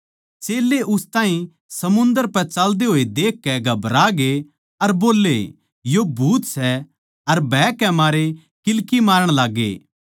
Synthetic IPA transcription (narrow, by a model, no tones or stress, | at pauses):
t͡ʃeːlːeʔʊst̪aːɦĩ | sɐmʊ̃nd̪əɾpɛt͡ʃald̪eɦoːed̪eːkːɛɡɐbɾaɡe | ɐɾboːlːḛ | jobʱuːt̪sɛ | ɐɾbɛːkɛmaːɾe | kɪlkimaːɾəɽ̃laːɡːḛː